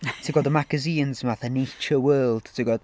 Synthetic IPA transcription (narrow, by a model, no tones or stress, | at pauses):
tʰiɡɔdəmaɡəziːnznvaθanejt͡ʃəwəːlˠd̥tʰiɡɔd̥